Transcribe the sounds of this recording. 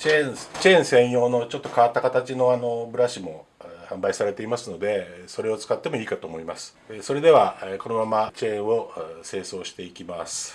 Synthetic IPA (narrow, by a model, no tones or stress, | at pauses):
t͡ɕẽt͡ɕẽ̞ɰ̃sẽ̞ɰ̃jo̞ːno̞t͡ɕo̞t̪ːo̞kaat̪ːakat̪at͡ɕino̞ano̞bɯ̟ɾaɕimo̞hãmbaisaɾe̞t̪e̞imasɨno̞d̪e̞so̞ɾe̞o̞t͡sɨ̥kat̪ːe̞mo̞iːkat̪o̞ːmo̞imasɨ̥ | so̞ɾe̞d̪e̞βako̞no̞mamat͡ɕẽ̞ɰ̃o̞se̞ːso̞ːɕi̥t̪e̞ikʲimasɨ̥